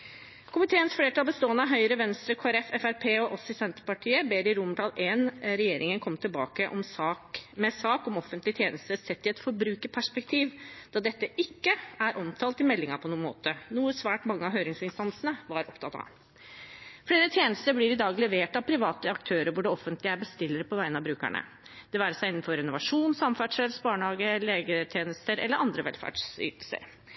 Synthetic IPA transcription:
kʰʊmɪt̪ʰeːənsfleːʈʰɑːlbəst̪oːənəɑɦœʏɾəʋɛnst̪ɾəkʰoːæɾɛfɛfæɾpʰeːɔʔɔsɪɪsɛnt̪əpɑʈʰiːəbeːɾɪɾʊmɖ̪ɑːleːnɾɛjeːɾʔɪŋənkʰɔmːt̪ʰɪlbɑ̰ːkəʔɔ̰msɑːkmɛsɑːkɔmɔfənt̪lɪt̪ʰjeːnəst̪əsɛt̪ːɪɛt̪fɔɾbɾʉːkəpʰæʂpɛk̚t̪ʰiːʋd̪̥ɑːd̪ɛt̪ːəʔɪkːəæɾʔɔmt̪ʰɑːlt̪ɪmɛlːɪŋɑpʰɔnuːənmo̰ːt̪ənuːəsʋæːʈmɑŋːəɑɦøːɾɪŋsɪnst̪ɑnsənəʋɑɾʔɔpt̪ʰɑt̪ɑ̰ | fleːɾət̪ʰjeːnəst̪əɾblɪːɾɪd̪ɑːɡlɛʋeːʈɑʋpʰɾɪʋɑːt̪əɑkt̪ʰøːɾəɾʋʊɖɛɔfːənt̪lɪəæɾbəst̪ɪlːəɾəpʰɔʋæɪənɑʋbɾʉːkæ̰ɳə̰ | d̪̥ɛʋæːɾəsæɪɪnːn̩fɔɾɪnʊʋɑʂuːnsɑmfæɖʂɛsbɑːɳhɑːɡəleːɡət̪ʰjeːnəst̪əɾɛ̰ləɾɑnd̪ɾəʋɛ̰lfæ̰ːɖʂy̰ːt̪l̩sə̰ɾ

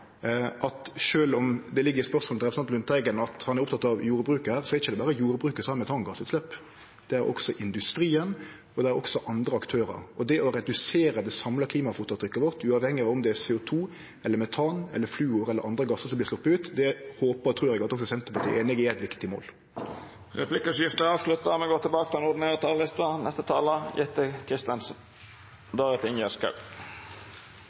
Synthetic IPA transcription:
ʔɑt̪ʃøːlɔmd̪ɛlɪɡːəɾɪspœɾsmolʁɛpəsɑnt̪lʉnt̪ʰæɪɡənɑt̪hɑnæɾʊpt̪ʰɑt̪ːɑʋjuːɾbɾʉːkəhæːʁsɔɛɾɪçəd̪ɛbæːɾəjuːɾbɾʉːkəsɑməmɛt̪ʰɑːnɡɑsʉːt̪slɛpː | d̪̥ɛæɾʔɔ̰ksɔʔɪnd̪ʉst̪ɾiːən | ɔd̪ɛæɾɔ̰ksɔʔɑnd̪ɾəɑkt̪ʰøːɾə̰ɾɔd̪ɛʔɔɾɛd̪ʉseːɾəd̪ɛsɑmlɑkliːmɑfuːt̪ʊt̪ʰɾʏkːəʋɔʁt̪ʰʉːɑʋhɛŋːəɔmd̪ɛsɛːʊt̪ʰuː | ɛlːəɾmɛt̪ʰɑːnɛ̰lːəflʉːʊɾɛlːəɾʔɑnd̪ɾəɡɑsːəsɔmblɪslɔpːəʉːt̪d̪ɛhoːpət̪ʰɾuːɾɛɡɑt̪ɔksɔsɛnt̪əʁpɑt̪ḭːʔeːnɪɡææt̪ʋɪkt̪ɪmo̰ːl | ʁɛpʰlɪkəsjɪft̪əɾɑːʋʂlʉt̪ːɑmɛɡoːt̪ʰɪlbɑːkət̪ɑnʊd̪ɪneːʁət̪ʰɑːllɪst̪ənʔɛst̪ət̪ʰɑːləjɛt̪ːəkʰɾɪst̪ənsn | d̪ɑːɾət̪ʰɪnjəskɑ̰p

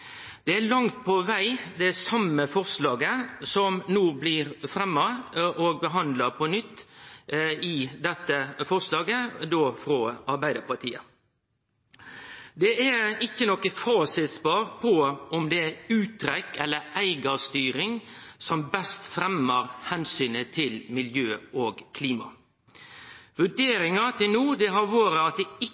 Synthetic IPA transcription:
d̪̥ɛælɑŋt̪̚pʰɔʋæɪd̪ɛsɑmːəfɔɾslɑːɡəsɔmnuːblɪɾfɾɛmːɑʔɔɡ̚bəɦɑnd̪lɑpʰɔnʏt̪ː | ɪd̪ɛt̪ːəfɔɾslɑːɡəd̪oːfɾɔɑɾbæɪd̪əpɑɾt̪ʰiːə | d̪ɛʔæɪçːənɔkːəfɑːsɪt̪spɑːɾpʰɔɔmd̪ɛæʉːt̪ʰːɾɛkːɛlːəɾʔæɪɡɑst̪yːɾɪŋsɔmbɛst̪fɾɛmːəɾhɛnsyːnət̪ʰɪlmɪljøːʔoːɡkʰliːmɑ̰ | ʋʉɖeːɾɪŋɑt̪ʰɪlnuːd̪ɛɦɑɾʋoːɾəɑt̪̚d̪ɛɪ

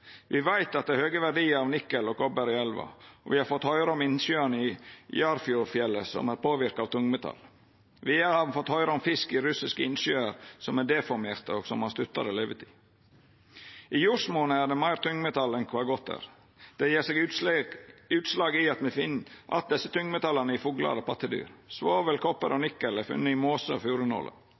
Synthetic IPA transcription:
ʋɪʋæɪt̪ɑt̪̚d̪ɛhøːɡəʋæɖiːəɾɑʋnɪkːəlɔkʰɔbəɾɪɛlʋɑ̰ɔ̰ʋɪhɑɾfɔt̪hœʏɾəɔmɪnsyːənəɪjɑɾfɪʊfjɛlːəsɔ̰mæːɾpʰoːʋɪɾkɑːʋt̪ʰʊŋmɛt̪ʰɑ̰l | ʋɪhɑʋ̪fɔt̪ːhœʏɾəɔmfɪskɪɾʉsɪskəɪnʃyːəɾsɔmæɖ̪ɛfɔɾmeːɾt̪əoːɡsɔmhɑst̪ʉt̪ːɑ̰ɾəleːʋət̪ʰi̥ | ʔiːjuːɾʂmoːnəæɖɛmæɪɾt̪ʰʊŋmɛt̪ʰɑlɛnkʰʋɑːɡɔt̪ʰæ̰ːɾ | d̪̥ɛjeːɾseːɡ | ʉːt̪slɑːɡɪɑt̪mɛfɪnʔɑ̰t̪̚d̪ɛsːət̪ʰʊŋmɛt̪ʰɑlːɑnəɪfuːɡlɑ̰ɾəpʰɑt̪ːəd̪y̰ːɾsʋoːʋəlkʰɔpːə̰ɾʔɔnɪkːəlæfʉ̰nːəɪmoːsəɔfjuːɾʉnɔ̰lʔə̰

